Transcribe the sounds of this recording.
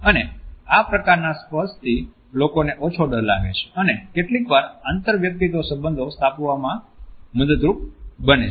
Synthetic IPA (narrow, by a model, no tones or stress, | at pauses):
əneapɾəkaɾnaspəst̪ʰi | lokoneʔot͡ʃʰoɖəɾla̰ɡḛt͡ʃʰe̥ənekeʈlikʋaɾant̪əɾʋjək̚t̪it̪osəbənd̪ʱost̪ʰapʋamãməd̪əd̪ɾup̚bəne